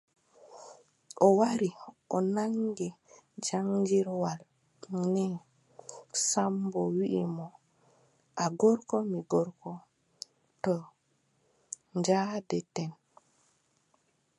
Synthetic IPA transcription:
ʔɔwaɾiʔɔnaŋɡɛd͡ʒaŋd͡ʒiɾwal | nɛ | sambɔwiʔimɔ | ʔaɡɔɾkɔmiɡɔɾkɔ | tɔ | ɲd͡ʒaːdɛtɛn

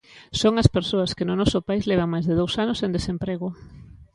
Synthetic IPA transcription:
soŋɐspeɾsoɐskenʊnɔsʊpaizleβ̞aŋmajzðeðowsanosend̪esempɾeɣʊ

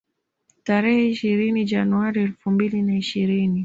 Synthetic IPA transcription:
taɾɛhɛiʃiɾinid͡ʒanuaɾiɛlfumbilinaiʃiɾini

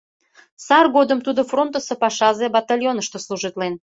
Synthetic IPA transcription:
sɑrɣod̪əmt̪ud̪ofront̪əsepɑʃɑzebɑt̪ɑlʲjonəʃt̪osluʒit̪len

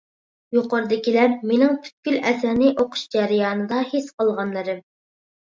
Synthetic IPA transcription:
joqɑɾɨd̪ɪkʲilæɾmenɪŋpʰy̥t̪̚kʲylʔɛsæɾnɪʔoqʰʊ̥ʃd͡ʒɛɾɪjɑːnɨd̪ɑhesqəlˠʁɑnlˠɨɾɨm

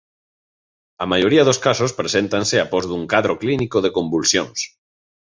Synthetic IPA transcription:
amajoɾiað̞oskasospɾesent̪anseapɔzðuŋkaðɾoklinikoðekombulsjoŋs

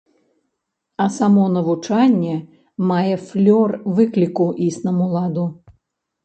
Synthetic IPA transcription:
ɐsamɔnɐvut͡ʂanʲːɛ | majɛflʲɔrvɨklʲikuʔisnɐmulˠad̪u

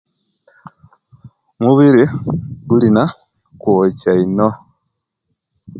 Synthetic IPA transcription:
muβiɾiɡulina | kwocaino

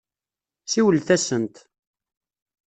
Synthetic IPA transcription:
siwəlθæsənt̪

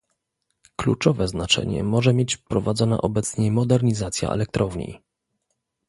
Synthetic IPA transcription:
klṵt͡ʂɔvɛznat͡ʂɛ̰ɲɛ̰mɔʐɛmjet͡ɕpɾɔvad̪zɔna̰ʔɔbɛt̪sɲɛmɔd̪ɛɾɲizat̪sʲja̰ɛ̰lɛk̚t̪ɾɔvɲḭ

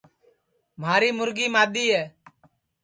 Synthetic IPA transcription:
maːɾiːmʊɾɡiːmaːd̪iːɛː

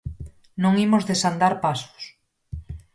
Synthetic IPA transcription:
nõŋimozðesand̪aɾpaso̥s

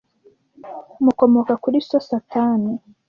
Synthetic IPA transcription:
muko̞mokakuɾisosataːni

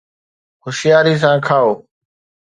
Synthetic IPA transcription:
hʊʃɪjaːɾiːs̬ãːkʰaːoː

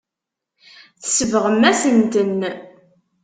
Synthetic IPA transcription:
θsəvəʁəmːæsənt̪ən

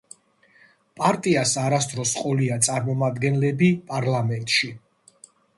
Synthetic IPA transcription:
pʼaɾt̪ʼiasaɾast̪ʰʼɾɔsqʼɔliat̪sʼaɾmɔmad̪ɡɛnlɛbipʼaɾlamɛnt̪ʼʃi

